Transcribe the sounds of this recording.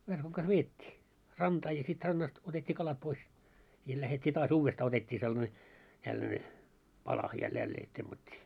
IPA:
ʋerkoŋ kɑs ʋeːtʲːiː rɑntɑː jɑ sit rɑnːɑst otetʲːiː kɑlɑt pois jɑ læhetʲːiː tɑːs uːʋːestɑː otetʲːiː selːɑ̆ne tælːæne pɑlɑ jɑ jælːeː temːɑtʲːiː

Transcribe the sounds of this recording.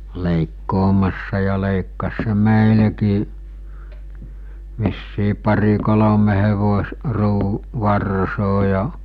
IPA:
leˑikːoːmɑsːɑ jɑ leˑikːɑs se meˑilekiː ʋisːiː pɑri kolome heʋos ruː ʋɑrsoː jɑ

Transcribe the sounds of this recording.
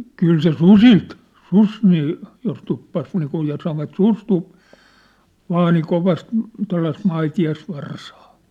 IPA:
kyl se susilt sus niː jos tupːɑs niːkuj jɑ sɑnoʋɑt sus tu ʋɑːni koʋɑst tuɑ̝lːɑist mɑitiɑsʋɑrsɑː

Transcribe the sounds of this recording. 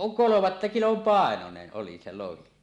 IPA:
kolomɑtːɑ kilom pɑˑenonen ʔoli se lohi

